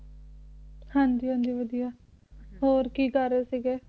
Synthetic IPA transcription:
hãːnd͡ʒiːõːnd̪iːʋəd̪ijaː | ɦoːɾkiːkəɾeːsiːɡeː

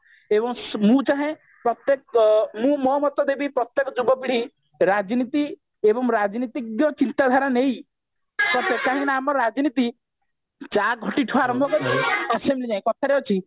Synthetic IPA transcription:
ebɔŋsmũt͡ʃaɦẽ | pɾɔt̪jekmũmɔmɔt̪ɔd̪ebʱipɾɔt̪jekɔd͡ʒubɔpiɽ̤i | ɾad͡ʒnit̪i | ebɔŋɾad͡ʒnit̪ikjɔt͡ʃint̪ad̪ʱaɾɔnej | sɔt̪ekaɦĩnaːmɔɾad͡ʒnit̪i | t͡ʃaɡʱɔʈiʈʰuaɾɔmbʱɔkɔɾt͡ʃʰiasemblid͡ʒaɦẽkɔt̪ʰaɾeot͡ʃʰi

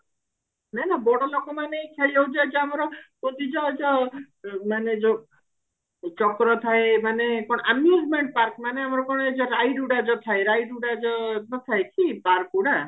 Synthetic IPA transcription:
nanabɔɽɔlokɔmanekʰaliɔwd͡ʒajd͡ʒɔamɔɾɔkot̪id͡ʒɔd͡ʒɔ | maned͡ʒɔ | t͡ʃɔkɾɔt̪ʰaemanekɔɽɔʔəmjud͡ʒmeɳʈ̚paɾkmaneamɔɾɔkɔɽ̃ɔed͡ʒɔɾajɖuɽad͡ʒɔt̪ʰaeɾajɖuɽad͡ʒɔnɔt̪ʰaekʰipaɾkuɽa

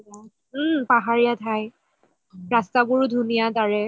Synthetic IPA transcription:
paɦaɹijatʰaj | ɹastabʊɹʊdʱunijadaɹɛ

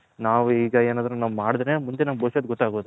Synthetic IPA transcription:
naːʋuiːɡɐeːnaːd̪ɾnunaːʋumaːɽid̪emund̪enamɡboːʃɐd̪ɡɔt̪ːaːɡoːd̪u

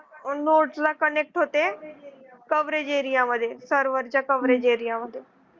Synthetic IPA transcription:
noːʈsd̪aːkəneːk̚ʈɦoːt̪ẽ | kəʋɾeːd͡ʒeːɾɪjãːməd̪eːsəɾʋəɾd͡ʒaːkəʋɾeːd͡ʒeːɾɪjaːməd̪eː

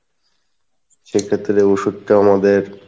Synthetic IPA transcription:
ʃekʰet̪ːɾeoʃud̚ʈeamad̪eɾ

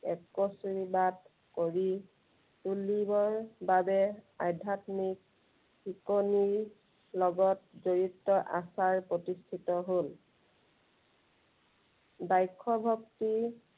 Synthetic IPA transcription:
ɛkosuɹibat | koɹi | tulibɔɹbabɛajdʱatmik̚ | hikoniɹ | lɔɡɔtzoɹitːɔʔa̰saɹpɹotistʰitɔɦol | bajkʰːɔbʱɔkti

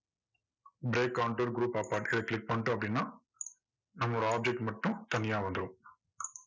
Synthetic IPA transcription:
bɾeːkːawɳʈɐɾɡɾuːpaːpaːʈiɽɐklik̚pɐɳʈuɐbɾinːɐ | nɐmːɔɾaːb̚d͡ʒek̚ʈmɐʈːũt̪ɐnijaːʋɐnd̪ɾu

